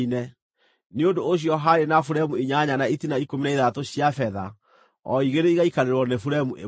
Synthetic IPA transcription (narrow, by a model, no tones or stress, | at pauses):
inɛ | neondoːɕ̬jɔɦaɾenafuɾɛmueɲaɲanaitinaikominaiðatoɕjafɛða | ɔiɣeɾeiɣaikaɾeɾwɔnefuɾɛmuʔe